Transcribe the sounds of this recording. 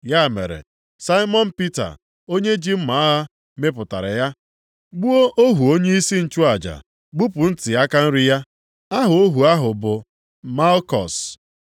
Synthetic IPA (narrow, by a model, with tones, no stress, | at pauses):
ja˦˨mḛ˨ɾḛ˨ | sa˦i˦mɔ˦n̩˦pi˦ta̰˨ | o˦ɲe˦d͡ʒi˦m̩˦ma˨a˦ɦa˦ | me˦pʊ˨ta̰˨ɾɪ̰˨ja˦ | ɡ͡bu˦o˦ʔo˦ɦu˨o˦ɲe˦i˦si˦n̩˨t͡ʃu˦a˨d͡ʒa̰˨ | ɡ͡bu˦pʊ˨n̩˦tɪ˨ja˦ka˦n̩˦ɾɪ˦ja˦ | a˦ɦʊ˨o˦ɦu˨a˦ɦʊ˨bʊ˨ | ma˦lkɔ̰˨s